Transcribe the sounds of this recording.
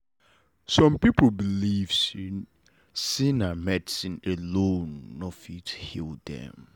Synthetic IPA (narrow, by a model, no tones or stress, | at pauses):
sɔ̃mpipl̩bilivsin | sĩnamɛtsĩnelõnːɔfithildɛ̰̃m